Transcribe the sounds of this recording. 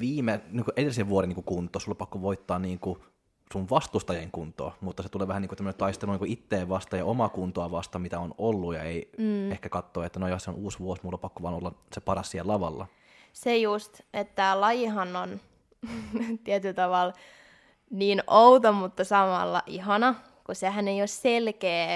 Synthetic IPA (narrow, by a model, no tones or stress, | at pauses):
ʋiːmenikuʔedelːˑiseʋʋuoɾenːiːkukunt̪ˑosulːɑpɑkːoʋoit̪ːɑːnniːŋku | suʋʋɑst̪ust̪ɑjeŋkunt̪ˑo̰ːmut̪ːɑset̪uleːʋæhæniːŋkut̪æmːønent̪ɑist̪eluniːkuit̪ːeːʋʋɑst̪ɑjɑomɑkunt̪oɑʋɑst̪ɑmit̪æonolːujɑ̰eiehkækɑt̪ːoːet̪ːænojɑseonuːsʋuosmulːɑpɑkːoʋɑ̰ːnolːɑsepɑɾɑsːielɑʋɑlːɑ̰ | sejust̪et̪ːælɑjiɦɑnːon | t̪iɛt̪ylt̪ɑʋɑl | niːnout̪omut̪ːɑsɑmɑ̰lːɑ̰ʔiɦɑnɑ | kuseɦæneijosselkeː